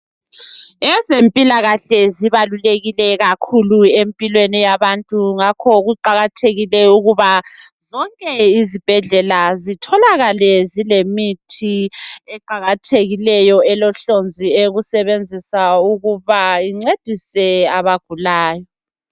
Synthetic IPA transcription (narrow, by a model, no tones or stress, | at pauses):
ɛzempʼilaɣaɬɛziβaluleɣilɛɣakʰuluempʼilwenijaβantʼuŋakʰɔɣuǃaɣatʰeɣilɛuɣuβaz̥ɔŋkʼɛizib̥ʱɛɮɛlazitʰɔlaɣalɛzilemitʰiɛǃaɣatʰeɣilɛjɔɛlɔɬond͡zʱieɣusɛβend͡zʱisauɣuβaiŋ͡ǀed̥ʱisɛaβaɡ̥ʱulaːjɔ